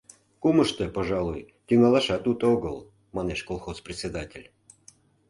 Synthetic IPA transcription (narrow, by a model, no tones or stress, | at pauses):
kuməʃt̪əpoʒɑlˠuj | t̪ʲyŋɑlɑʃɑt̪ut̪oɡəlˠ | mɑneʃkolˠxosprʲɪt̪ʲsʲed̪atʲelʲ